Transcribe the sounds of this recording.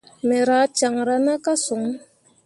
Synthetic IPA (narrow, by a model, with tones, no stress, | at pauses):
mɛ˨ɾa˨˦t͡ʃa˨ŋɾa˦na˦ka˦su˨ŋ˦